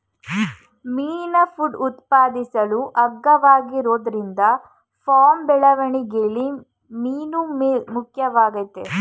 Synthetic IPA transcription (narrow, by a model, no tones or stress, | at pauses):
miːnɐfuɖut̪paːd̪isɐɭuʔɐɡːɐʋaːɡiɾoːd̪ɐɾind̪ɐ | fʰaːmbɛɭɐʋɐɳiɡeɭi | miːnummukʰjɐʋaːɡɐt̪ːe